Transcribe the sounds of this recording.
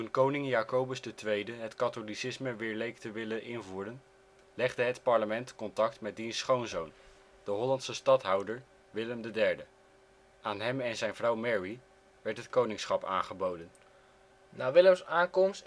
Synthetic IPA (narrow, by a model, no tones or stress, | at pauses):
tunkownɪŋjaːkowbəsdətʋejdəɦətkɑtolisɪsməʋɪːɹlejktəʋɪləʔɪnvuːrən | lɛχdəɦətpɑɹləmɛntkɔntɑk̚tmɛt̚dinsχownzown | d̥əɦɔlɑntsəstɑtɦɑwdəɹ | ʋɪləmdədɛɹdə | ʔaːnɦɛmɛnzɛjnvrʌwmɛɹi | ʋɛɹtɦətkownɪŋsχɑpa̰ːnχəbowdən | naːʋɪləmsaːŋkɔms